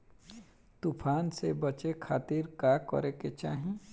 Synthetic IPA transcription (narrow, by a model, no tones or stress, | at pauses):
t̪upʰaːnsebət͡ʃekʰaːt̪iɾkaːkɔ̰ɾeket͡ʃaːɦẽ